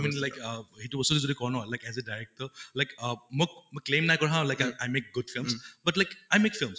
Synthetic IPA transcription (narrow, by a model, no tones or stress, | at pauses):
mĩnlajkɦituɔsud̪izod̪ikɔnɔɦɔjlaɪkɛzedajek̚ʈəlaɪkmɔkmɔklẽmnajkɔɹɦãlajkaajmek̚ɡʊdfilmsbʌtlaɪkajmekfilms